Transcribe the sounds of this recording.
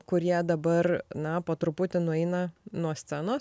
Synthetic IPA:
kʊɾʲiɛd̪ɐbɐrnɐpoːt̪ɾʊpʊt̪ʲɪnʊɛɪnɐnuɔsʲt̪sʲænoːs

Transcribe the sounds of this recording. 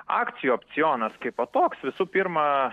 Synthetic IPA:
ɑ̰ːkt̪sʲɪjuːɐpʲt̪sʲɪjoːnɐskɐɪpoːt̪oːksʋʲɪsuːpʲiɾmɐ

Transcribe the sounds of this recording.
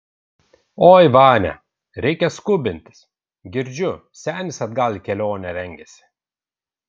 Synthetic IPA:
oːjʋɑːnʲɛ̰ | ɾʲɛɪkʲɛskʊbʲɪnʲt̪ʲɪ̥s | ɡʲɪɾʲd͡ʒʲʊ | sʲæːnʲɪsɐd̪ɡɑlʲkʲɛlʲoːnʲɛɾʲɛŋʲɡʲɛsʲɪ̥

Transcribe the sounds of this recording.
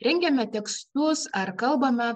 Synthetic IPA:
ɾʲɛŋʲɡʲɛmʲɛt̪ʲɛkst̪ʊsɐɾkɐlˠbɐmʲɛ

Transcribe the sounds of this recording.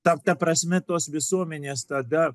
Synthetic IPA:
t̪ɐt̪ɐpɾɐsʲmʲɛt̪oːsʋʲɪsuɔmʲɛnʲeːst̪ɐd̪ɐ

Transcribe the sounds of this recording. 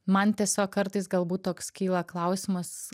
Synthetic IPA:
mɐnt̪ʲiɛsʲoːkkɐɾt̪ɐɪsɡɐlˠbuːt̪̚t̪oːkskʲiːlˠɐklˠɐʊsʲɪmɐs

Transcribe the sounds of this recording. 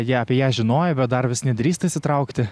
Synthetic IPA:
jiɛɑːpʲiɛjæːʒʲɪnoːjɛbʲɛt̪̚d̪ɐrʋʲɪsʲnʲɪd̪ʲɾʲiːst̪ɐisʲɪt̪ɾɐʊkt̪ʲɪ

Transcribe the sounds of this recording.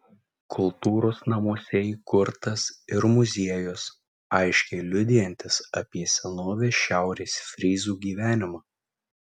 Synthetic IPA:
kʰʊlˠt̪uːɾoːsnɐmuɔsʲɛkʊɾt̪ɐsɪɾmʊzʲiɛjoːs | ɐɪʃʲkʲɛɪlʲʊd̪ʲɪjɛnʲt̪ʲɪsɐ̰pʲiɛsʲɛnoːʋʲeːʃʲæˑʊɾʲeːsfʲɾʲiːzuːɡʲiːʋʲæːnʲɪmɑː

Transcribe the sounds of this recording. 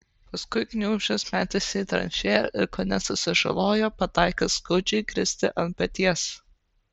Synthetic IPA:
pɐskʊɪknʲuːʒʲosmʲæːt̪ʲɪsʲɛɪt̪ɾɐ̰nʲʃʲeːjo̰ʔɪɾkoːnʲɛsʊsʲɪʒɐ̰lˠoːjoːpɐt̪ɑˑɪkɐskɐʊd͡ʒʲɛɪkɾʲɪsʲt̪ʲɪ̰ʔɐnpʲɐt̪ʲiɛs

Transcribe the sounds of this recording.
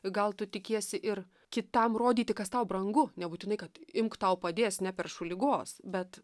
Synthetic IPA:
ɡɐlˠt̪ʊt̪ʲɪkʲiɛsʲɪʔɪr | kʲɪt̪ɐmroːd̪ʲiːt̪ʲɪkɐst̪ɐʊbɾɐŋɡʊnʲɛbuːt̪ʲɪnɐɪkɐt̪ɪmkt̪ɐʊpɐd̪ʲeːsnʲɛpʲɛrʃʊlʲɪɡoːsbʲɛt̪

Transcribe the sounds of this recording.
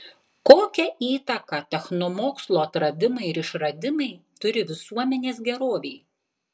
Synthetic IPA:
koːkʲɛʔiːt̪ɐkɐt̪ʲɛxnɔmoːkslˠoːɐt̪ɾɐd̪ʲɪmɐɪɪɾɪʃɾɐd̪ʲɪmɐɪt̪ʊɾʲɪʋʲɪsuɔmʲɛnʲeːs̬ɡʲɛɾoːʋʲeɪ

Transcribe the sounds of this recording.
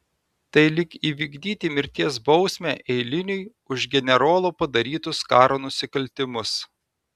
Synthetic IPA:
t̪ɐɪlʲɪkiːʋʲiːɡd̪ʲiːt̪ʲimʲɪɾʲt̪ʲiɛs̬bɒʊsʲmʲæːʔɛɪlʲɪnʲʊj | ʊʒɡʲɛnʲɛɾoːlˠoːpɐd̪ɐɾʲiːt̪ʊskɑːɾoːnʊsʲɪkɐlʲt̪ʲɪmʊs

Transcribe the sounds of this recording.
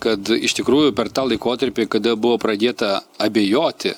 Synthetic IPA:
kɐt̪ɪʃt̪ʲɪkɾuːjʊpʲɛrt̪ɑːlˠɐɪkoːt̪ɐɾʲpʲiːkɐd̪ɐbʊʋoːpɾɐd̪ʲeːt̪ɐɐbʲeːjoːt̪ʲɪ

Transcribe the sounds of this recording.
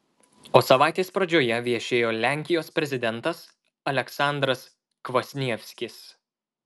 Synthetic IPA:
oːsɐʋɑˑɪt̪ʲeːspɾɐd͡ʒʲoːjɛʋʲiɛʃʲeːjoːlʲæˑŋʲkʲɪjoːspʲɾʲɛzʲɪd̪ʲɛnt̪ɐs | ɐlʲɛksɑˑnd̪ɾɐs | kʋosʲnʲiɛfʲsʲkʲɪs

